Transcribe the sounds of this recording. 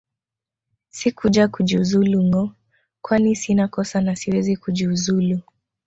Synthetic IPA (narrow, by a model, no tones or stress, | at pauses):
sikud͡ʒakud͡ʒiuzuluŋɔ | kwanisinakɔsanasiwɛzikud͡ʒiuzulu